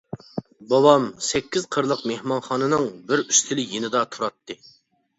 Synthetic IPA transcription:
bɑwɑmsɛkʲːiz̥qʰəɾlˠəqmehmɑnχɑːnɨnɨŋbɪɾyst̪ʰɪlɪjenɪd̪ɑt̪ʰuɾɑt̪ʰːɨ

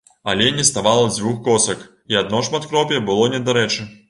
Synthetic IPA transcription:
alʲɛnʲɛst̪avalˠɐd͡zʲvuxkɔsɐk | iad̪̚nɔʂmat̪kɾɔpʲjɛbɨlˠɔnʲɛd̪aɾɛt͡ʂɨ

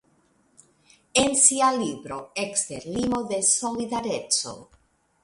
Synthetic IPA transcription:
ensialiβɾoekst̪eɾlimoðesoliðaɾet͡so̰

